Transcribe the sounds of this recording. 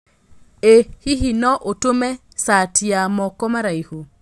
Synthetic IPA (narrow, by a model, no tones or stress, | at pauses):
ehiɦinɔʔotomɛ | satiamɔkɔmaɾaiho